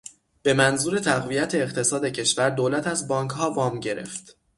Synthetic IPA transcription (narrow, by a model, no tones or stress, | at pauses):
b̥e̞mænzuːɾe̞t̪ʰæɣvijæt̪ʰe̞ːqt̪ʰe̞sɒːd̪e̞cʰe̞ʃvæɾd̪oːlæt̪ʰæzbɒːŋkʰhɒːvɒːmɟe̞ɾe̞̰ft̪